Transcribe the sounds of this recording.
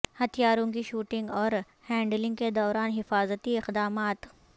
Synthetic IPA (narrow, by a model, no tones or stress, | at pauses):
hɐt̪ʰijaːɾõkiʃuːʈɪ̃ŋɡɔːɾ | hɛ̃ːɳɖlɪ̃ŋɡked̪ɔːɾaːnɦɪfaːzət̪iɪqd̪aːmaːt̪